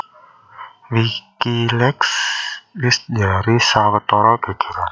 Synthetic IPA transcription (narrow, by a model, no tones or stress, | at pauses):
wikilɛkslɪs̚d͡ʒaɾisawət̪ɔɾɔɡ̥ə̤ɡ̥ə̤ɾan